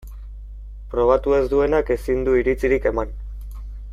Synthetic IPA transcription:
pɾo̞β̞at̪ue̞zd̪ue̞nakesind̪uiɾit͡siɾike̞man

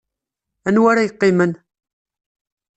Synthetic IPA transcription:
ænwæɾajəqːɪmən

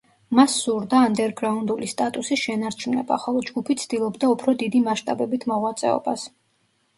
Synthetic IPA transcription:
masːuɾd̪aːnd̪ɛɾɡɾaund̪ulist̪ʼat̪ʼusisʃɛnaɾt͡ʃʰumnɛ̰ba̰ːχalˠɔd͡ʒɡupʰit̪sʰd̪̥ilˠɔbd̪aupʰɾɔd̪id̪imaʃt̪ʼabɛbit̪ʰmɔʁwat̪sʼɛ̰ɔ̰bas

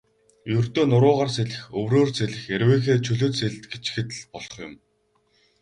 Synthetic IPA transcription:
jɵrt̪oːnʊɾʊːʁaːrseɮɘ̆xɵwroːrseɮɘ̆xeɾweːxeːt͡ɕʰɵɮɵ̆t̪seɮt̪ɡet͡ɕ̆xɘ̆t̪ɮpɔɮɞ̥ɞ̆χjʊ̰m

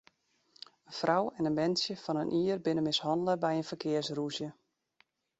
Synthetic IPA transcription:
ənfrawɛnənmɛnsjəfɑnənʔiːərbɪnəmɪshɑndələbɛjənfərkʰɪərsrusjə

